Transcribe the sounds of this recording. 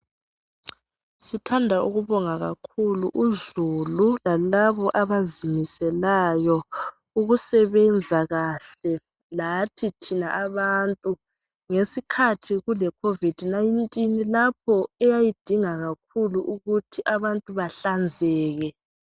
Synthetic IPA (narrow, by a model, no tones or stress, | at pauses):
sitʰandʱauɣuβɔŋaɣakʰuluʔuzululalaβɔʔaβazimisɛlajɔ | uɣusɛβɛnd͡zʱaɣaɬɛ | latʰitʰinaʔaβaːntʼu | ŋesikʰatʰiɣulɛkʰovid̥ʱnajintʼinlap̚ʰɔɛjajid̥ʱiŋaɣak̚ʰuluʔuɣutʰiʔaβantʼuβaɬand͡zʱɛːɣɛ